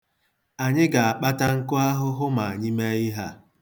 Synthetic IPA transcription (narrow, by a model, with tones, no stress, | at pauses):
a˨ɲɪ˦ɡa˨a˨k͡pa˦ta˦ŋ̩˦kʊ˦a˦ɦʊ˦ɦʊ˦ma˨a˨ɲi˦me˦ɪ˦ɦa˦